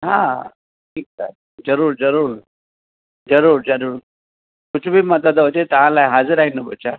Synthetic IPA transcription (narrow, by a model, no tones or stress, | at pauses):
ɦã | ʈʰiːk̚sa | d͡zəɾuːɾd͡zəɾuːɾ | d͡zəɾuːɾd͡zəɾuːɾ | kut͡ɕʰbʱiːməd̪əd̪od͡ʑet̪aɦãlajɦad͡zəɾaɦinəbət͡ɕa